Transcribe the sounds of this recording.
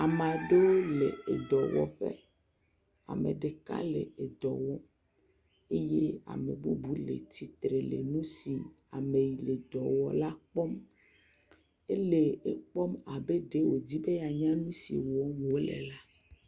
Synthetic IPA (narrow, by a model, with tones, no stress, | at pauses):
a˨mã˨ɖo˦le˨e˨d̪ɔ˨wɔ̰˦ɸḛ˦ | a̰˨mḛ˨ɖe˨ka̰˦lḛ˨e˨d̪ɔ˨wɔ˦ | e˦je˦a̰˨mḛ˨bu˦bu˨˦lḛ˨t̪i˨t̪ɾe˨lḛ˨nũ˦si˨ | a˨me˨ji˨le˨d̪ɔ˨wɔ˨la˦k͡pɔ˦m | e˦le˨e˨k͡pɔ˦ma˨be˦ɖe˦wo˨d͡ʑi˦be˦ja˨ɲã˦nũ˦sḭ˨wɔ˦wo˦lḛ˨la˦